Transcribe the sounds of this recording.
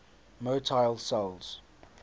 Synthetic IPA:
moːtʰaɪlˠsɛlˠz̥

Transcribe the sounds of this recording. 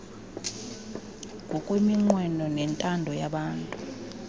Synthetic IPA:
ŋʱɔkʼwemiŋ͡ǃwɛnɔnɛntʼandʱɔjaɓaːntʼu

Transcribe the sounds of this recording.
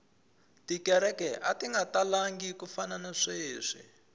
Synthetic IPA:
tikɛɾɛkɛʔatiŋɡatalaŋɡikufananaʂeːʂḭ

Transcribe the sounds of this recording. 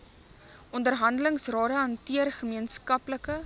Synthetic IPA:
ʔɔndərɦɐndələŋsrɑːɾəɐntiərχəmiənskɐpləkə

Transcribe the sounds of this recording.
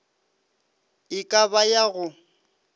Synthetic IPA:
ɪkʼabajaɣʊ

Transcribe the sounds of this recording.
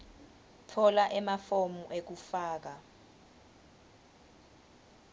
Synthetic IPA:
tʰɔlaʔɛmafomuʔek̬ufaːk̬a

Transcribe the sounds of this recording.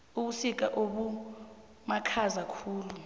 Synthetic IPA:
uɓusik̬ʼaʔoɓu | makʰazakʰuːlu

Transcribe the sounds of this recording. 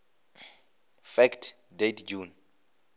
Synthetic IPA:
fɛktʰ | detʰd͡ʒun

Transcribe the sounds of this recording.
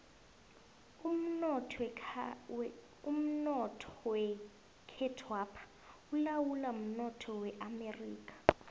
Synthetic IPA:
m̩nɔ | um̩nɔtʰɔ̥wɛ | kʰɛtʰwapʰḁ | ulawulam̩nɔtʰɔwɛʔamɛriːkʼḁ

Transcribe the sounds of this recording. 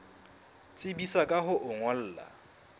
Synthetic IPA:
t͡sʼɪbisakʼaɦʊʔʊŋɔl̩ːla̰

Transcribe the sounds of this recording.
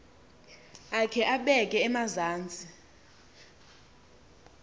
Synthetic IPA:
akʰɛʔaɓɛkʼɛːmazaːnt͡sʼi

